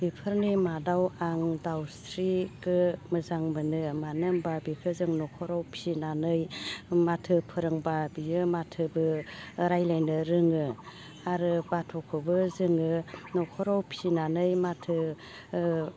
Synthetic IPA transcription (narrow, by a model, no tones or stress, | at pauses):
b̥ipʰɯɾnimadawaŋdawstʰɾiɡɯmɯzaŋmɯnɯmanɯŋbabikʰɯzɯŋnɔkʰɔɾawpʰinanɯjmatʰɯpʰɯɾɯŋbabiɯmatʰɯbɯɾajlajnɯɾɯŋɯ | aɾɯbatʰɔkʰɯbɯzɯŋɯnɔkʰɔɾawpʰinanɯjmatʰɯ